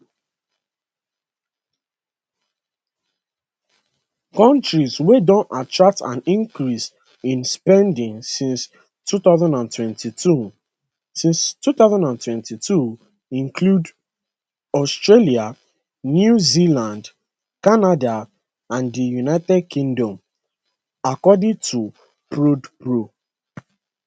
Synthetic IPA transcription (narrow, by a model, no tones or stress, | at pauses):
kɔ̃ntɹizwedɔ̃natɹak̚tʰã̰nĩŋkɹis | ĩnspɛ̃ndĩŋsĩns | tuθaʊzãndãntwɛ̃ntʰitʰu | sĩnstuθaʊzãndãntwɛ̃ntitu | ĩŋkʰlud | ɔstɹelia | njuzilãnd | kanada | ãndijunaɪtɛd̚kʰĩŋdɔ̃m | akɔdĩŋtʰu | pɹodpɹo